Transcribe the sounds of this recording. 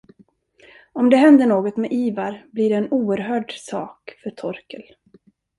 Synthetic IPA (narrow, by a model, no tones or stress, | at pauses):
ɔmd̪ɛɦɛnd̪əɳoːɡɔt̪mɛʔiːvaɾbliːɖɛːnuːəɾɦœːɖsɑːkfœʈʰɔɾkəl